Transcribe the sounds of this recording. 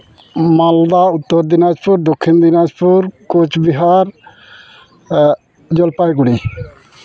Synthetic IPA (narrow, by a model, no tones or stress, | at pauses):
mald̪aut̪ːɔɾd̪inad͡ʒpuɾd̪okʰːind̪inad͡ʒpuɾkot͡ʃbiɦaɾ | d͡ʒɔlpajɡuɽi